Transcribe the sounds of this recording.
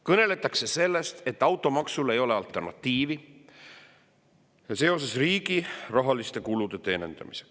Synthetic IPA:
kɤne̞le̞t̪ːˑɑkse̞se̞lːest̪e̞t̪ːˑɑwt̪ːˑo̞mɑksule̞jo̞le̞ɑlt̪ːˑe̞rnɑ̰t̪ːiːvi | jɑse̞o̞se̞sriːɡ̥irɑɦɑlist̪e̞kulud̪̥e̞t̪e̞ːne̞̰nd̪̥ɑ̰mi̥se̥ks

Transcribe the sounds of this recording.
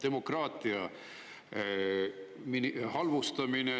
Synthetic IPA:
d̪e̞mo̞krɑːt̪ˑiɑ | minhɑlvust̪ɑmine

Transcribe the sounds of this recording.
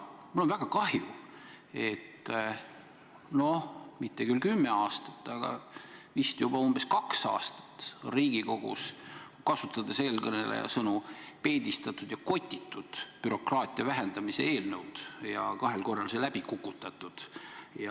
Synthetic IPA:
mulo̞nvæɡ̥ɑkɑhju | e̞t̪ː | no̞mit̪ːekylkymːe̞ɑːst̪ɑ̥t̪ːˑɑɡ̥ɑ̰vist̪jub̥ɑumb̥e̞skɑksɑ̰ːst̪ɑ̥t̪ːˑriːɡiko̞ɡ̥ṵs | kɑsut̪ːˑɑd̪ese̞ːlkɤne̞̰lḛjɑ̰sɤnupe̞ːd̪ist̪ɑt̪ːˑud̪jɑko̞t̪ʲːˑit̪ːˑud̪̥pyɾo̞krɑːt̪ˑiɑvæɦe̞nd̪ɑmise̞̰e̞ːlnɤwd̪̥jɑkɑɦe̞lko̞rːɑlselæb̥ikukːˑut̪ːˑɑt̪ːˑud̪̥jɑ

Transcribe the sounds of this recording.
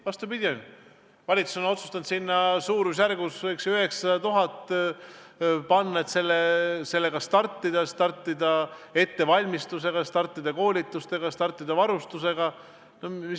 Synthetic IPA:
vɑst̪ubid̪̥ʲion | vɑlʲit̪su̥so̞no̞t̪su̥st̪ɑnd̪sinːɑsuːɾus̬jærɡusvɤjksyɦe̞ksɑt̪uɦɑt̪ːˑ | pɑnːɑet̪se̞lːese̞lːe̞ɡɑst̪ɑrt̪ːid̪ɑst̪ɑrt̪ːˑid̪̥ɑe̞t̪ːe̞vɑlʲmist̪us̬e̞ɡ̥ɑst̪ɑrt̪ˑːid̪̥ɑko̞ːlʲit̪ːˑust̪e̞ɡ̥ɑst̪ɑrt̪ːˑid̪̥ɑvɑɾust̪use̞ɡ̥ɑ | nomis

